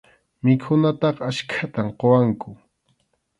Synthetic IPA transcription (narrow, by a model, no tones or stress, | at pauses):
mɪkʰʊnat̪ɑχaʃkʰat̪amqowaŋkʊ